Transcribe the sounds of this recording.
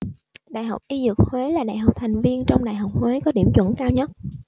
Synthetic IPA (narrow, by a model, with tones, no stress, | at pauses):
ɗa̰ː˧˨jɦɔ˨˩wk͡p̚ʔi˧zɨ˨˩k̚hwe˨˦laː˨˩ɗa̰ː˧˨jɦwk͡p̚t̪ʰa˨˩jŋ̟vi˧ənt͡ɕɔ˧wŋ͡mɗa̰ː˧˨jɦa˨˩wk͡p̚hwe˨˦kɔ˨˦ɗi˧˩əmt͡ɕwə̰˧˥nkaː˧wɲə˦˥t̚